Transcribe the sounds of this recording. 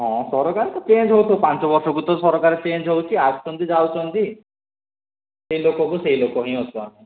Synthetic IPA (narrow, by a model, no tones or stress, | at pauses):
ɦɔ̃sɔɾɔkaɾit̪ɔt͡ʃend͡ʒʱɦowt̪ʰowpant͡ʃɔbɔɾsɔkut̪ɔsɔɾɔkaɾet͡ʃend͡ʒɦowt͡ʃʰiaɡɔt͡ʃʰɔnt̪id͡ʒawt͡ʃʰɔnt̪i | seilokɔk̬useɦilokɔɦĩɦɔsʰuami